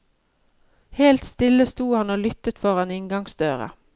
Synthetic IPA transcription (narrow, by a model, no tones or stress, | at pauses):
heːlt̪st̪ɪləst̪uːhɑnoːlʏt̪ət̪fɔʁɑnɪŋɡɑŋsd̪øːʁə̰